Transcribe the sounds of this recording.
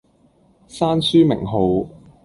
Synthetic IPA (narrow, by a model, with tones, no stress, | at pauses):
saː˥nsyː˥mɪ̰˨˩ŋɦo˨˧w